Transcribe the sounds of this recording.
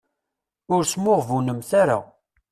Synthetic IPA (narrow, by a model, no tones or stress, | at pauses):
ʊɾsmʊʁvunəmθaɾa̰